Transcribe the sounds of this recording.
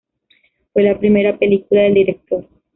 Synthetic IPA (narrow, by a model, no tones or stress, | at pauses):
fwe̞lapɾime̞ɾape̞likulaðe̞ld̪iɾek̚t̪o̞ɾ